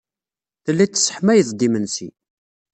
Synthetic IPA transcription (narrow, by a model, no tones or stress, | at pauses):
θəlːæt͡sːə̥sːə̥ħmæjəθd̪imənsi